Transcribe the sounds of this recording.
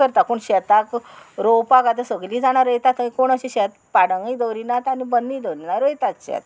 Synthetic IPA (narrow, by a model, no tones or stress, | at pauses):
əɾt̪akuɳɕɛt̪akɾowpakat̪esəɡliːd͡zaɽ̃aɾəjt̪at̪əĩkoɽ̃əɕiɕɛt̪paɽəŋid̪əwɾinat̪anibənːid̪əɾinaɾəjt̪at̪ɕɛ̰t̪̚